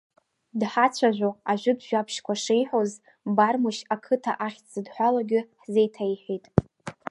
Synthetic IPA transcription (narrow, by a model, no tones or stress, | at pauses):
dħat͡ɕʷʰaʒᶣʷoaʒᶣʷʊdʒᶣapʰʃkʷaʂejħoz | barmoʃakʰɨtʰa̰ʔaχʲt͡sɨdħʷalaɡʲɪħzejtʰajħitʼ